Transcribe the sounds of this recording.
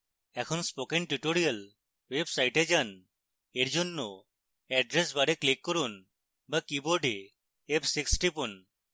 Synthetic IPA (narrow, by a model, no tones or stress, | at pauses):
ɛkʰɔnspokeɳʈuʈoɾijal | websajʈed͡ʒan | eɾd͡ʒonːo | ɛɖɾes̬baɽeklikːɔɾun | bakiboɖi | epsiksʈipun